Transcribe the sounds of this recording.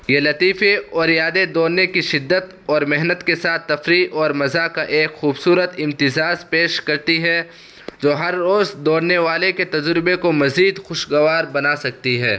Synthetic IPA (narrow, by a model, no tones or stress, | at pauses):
jelɐt̪iːfeɔːɾjaːd̪ed̪oːnnekiʃɪd̪ːət̪ | ɔːɾmɪɦnət̪kesaːt̪ːɐfɾiʔɔːɾmɐzakaʔeːkxuːbsuːɾət̪ɪ̃mt̪ɪzaːzpeːʃkɐɾt̪iɦɛ | d͡ʒoːɦɐɾːoːzd̪oːɽneʋaːleket̪ɐd͡ʒɾɪbekomɐziːd̪xʊʃɡɐʋaːɾbɐnasɐk̚t̪iɦɛː